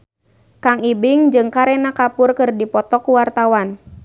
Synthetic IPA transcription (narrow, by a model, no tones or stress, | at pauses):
kaŋibɪŋd͡ʒɨŋkaɾɛnakapʊrkɨrdipɔt̪ɔkuwart̪awan